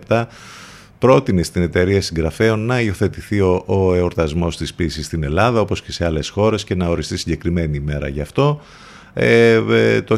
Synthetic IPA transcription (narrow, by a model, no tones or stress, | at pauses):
p̚t̪ɐ | pɾo̞t̪ine̞st̪ine̞t̪e̞ɾiɐsiŋɡɾɐfe̞o̞nːɐio̞θe̞t̪iθiooeoɾt̪ɐzmo̞st̪ispisist̪ine̞lɐðɐo̞po̞sce̞se̞ɐle̞sxo̞ɾe̞sce̞nɐo̞ɾist̪isiɲɟe̞kɾime̞niːme̞ɾɐ̰ʝɐft̪o̞ | et̪o